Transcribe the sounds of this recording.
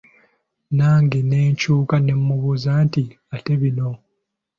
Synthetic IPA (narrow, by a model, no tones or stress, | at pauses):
naːŋɡene̞ːɲcuːkane̞mːuβuzanti | ate̞βino̞